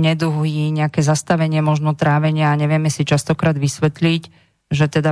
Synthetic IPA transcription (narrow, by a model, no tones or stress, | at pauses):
ɲɛd̪uɦiɲɛakɛzast̪aʋɛɲɪɛmɔʒnɔt̪ɾaːʋɛɲɪaːɲɛʋɪɛmɛsit͡ʃast̪ɔkɾaːd̪ʋisʋɛt̪lic | ʒɛt̪ɛd̪a